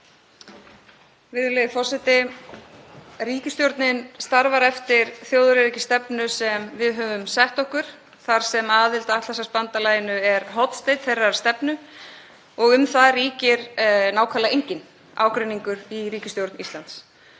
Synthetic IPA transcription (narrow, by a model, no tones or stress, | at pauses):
vɪðʏleðɪfɔr̥sɛt̪ɪ | riːcɪst̪jowɾt̪nɪnst̪aɾvaɾɛft̪ɪɾ̥θjowðʏɾɪɾɛcɪst̪ɛpnʏsɛmvɪðɦœːvʏmsɛht̪ɔhkʏɾ̥ | θaɾ̥sɛmaːðɪlt̪aat̪θɛsaspant̪alaːjɪnʏɛɾɦɔt̪st̪ejt̪θejrːaɾ̥st̪ɛpnʏ | ɔɣʏmθaðriːcɪɾnaːwkʰaːlaejɲcɪn | a̰ːwkɾʏniŋkʏɾiɾiːcɪst̪jowɾt̪nist̪lant̪s